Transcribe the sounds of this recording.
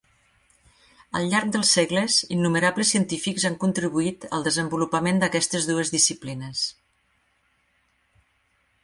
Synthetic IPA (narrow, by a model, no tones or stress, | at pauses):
ə̰lˠʎaɾk̚d̪əlˠsːɛɣləzinːuməɾabləsiənt̪ifikzaŋkunt̪ɾiβuit̪ə̰lˠd̪əzəmbulupəmend̪əkɛst̪əzðuəzðisiplinəs